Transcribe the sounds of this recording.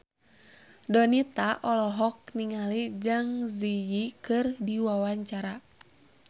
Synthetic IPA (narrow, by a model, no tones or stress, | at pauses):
dɔnit̪aʔɔlɔɦɔk̚niŋalid͡ʒɨŋzijikɨrdiwawaɲt͡ʃaɾa